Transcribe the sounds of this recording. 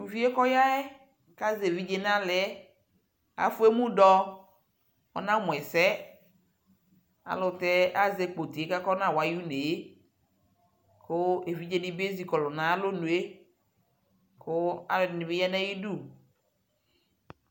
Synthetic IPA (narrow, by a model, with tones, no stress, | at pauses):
nũ˨vi˦e˦kɔ˦ja˦ɛ˦ | ka˦zvi˦d͡ʒe˦n˦ã˦lɛ˨ɛ˦ | a̰˨fʊ˦e˦mũ˦dɔ˦ | ɔ̰˨nã˦mʊ˨ɛ˨sɛ˦ | a̰˨lʊ˨tɛ˦a˦ze˨k͡po˨ti˨e˨˦ka˦kɔ˦nã˦˨wa˨ju˦ne˨e˦ | kʰʊ˦e˨vi˦d͡ʒe˦nɪ˦be˦zi˨kɔ˨lʊ˨nã˨˦a˦lo˦nu˨e˦ | kʊ˦a̰˨nɪ̃˨bɪ˦ja˦nɛ̃˦ji˦du˦˨